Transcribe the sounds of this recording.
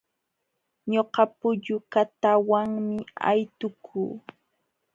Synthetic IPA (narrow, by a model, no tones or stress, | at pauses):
ɲoqɑpʊʎʊkat̪awaŋmɪa̰jt̪ʊkʰuː